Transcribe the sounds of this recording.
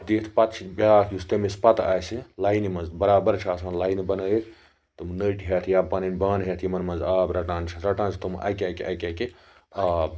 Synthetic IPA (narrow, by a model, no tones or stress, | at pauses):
d̪iːt̪ʰpɐt̪t͡ʃʰibʲjaːk̪ʰjust̪emispɐt̪a̰ːjsilaːinimɐnzbɐɾaːbɐɾt͡ʃʰaːsmɐnlaːinibɐnəːit̪ʰ | t̪ɨmnəʈʰiɦɐt̪ʰjaːpɐninbaːnɦet̪ʰjimɐnmɐnzaːbɾɐʈãːnt͡ʃʰɐɾɐʈãːnt͡ʃʰt̪umʔɐ̰kɐkɐ̰keke | aː